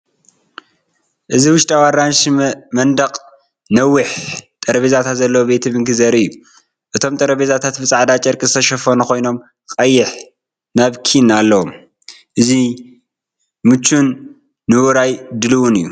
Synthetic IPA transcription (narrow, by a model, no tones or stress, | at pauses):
ʔɨziwʊʃt̪ʼawaɾanʃmɐnd̪ɐqʼ | nɐwːɨħt̪ʼɐɾɐβezat̪ʰat̪zɐlːɐwobe̞t̪ʰɨβɨŋɡɨzɐɾɨjːu | ʔɨt̪ʰo̞mt̪ʼɐɾɐβezat̪ʰat̪bɨt͡sʼaʕd̪at͡ʃʼɐɾkʼizɨt̪ʰɐʃɐfɐnuko̞jno̞m | kʼɐjːɪħ | naβkʰinalːɐwom | ʔɨzi | mɨt͡ʃːunː | ɨwuɾajd̪ɨlɨwunɨjːu